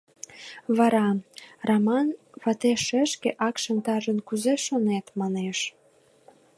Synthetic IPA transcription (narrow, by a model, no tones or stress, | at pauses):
βɑɾɑrɑmɑnβɑt̪eʃəʃkeʔɑkʃɑnt̪ɑʒə̆nkuzeʃonet̪mɑneʃ